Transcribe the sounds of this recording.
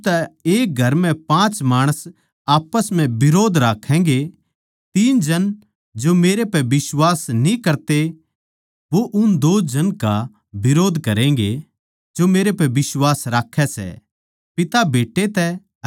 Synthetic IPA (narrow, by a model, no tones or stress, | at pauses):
t̪ɛeːk̚ɡʱɐɾmɛ̃pãːt͡ʃmaːɽ̃əs | aːpəsmɛ̃bɪɾoːd̪ʱɾaːkʰɛ̃ːŋɡe | t̪iːnd͡ʒɐn | d͡ʒomeːɾepɛbɪswaːsnĩkɐɾt̪e | ʋoʔʊnd̪oːd͡ʒɐnka | bɪɾoːd̪ʱkɐɾɛ̃ːŋɡe | d͡ʒomeːɾepɛʋɪswaːsɾaːkʰːɛsɛ̰ | pɪt̪abeːʈːet̪ɛ